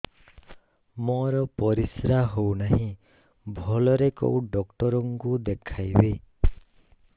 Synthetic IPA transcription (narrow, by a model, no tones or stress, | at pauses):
mɔɾɔpɔɾisɾaɦownaɦĩ | bʱɔlɔɾeko̰uɖɔkʈɔɾɔŋkud̪ekʰajbe